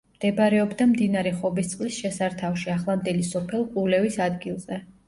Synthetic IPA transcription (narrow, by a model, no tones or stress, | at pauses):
md̪̥ɛbɾɛɔbd̪amd̪inaɾɛχɔbist̪sʼqʼlisʃɛsaɾt̪ʰafʃiaχlˠamd̪ɛlisɔpʰɛlˠqʼulɛvisad̪ɡilˠzɛ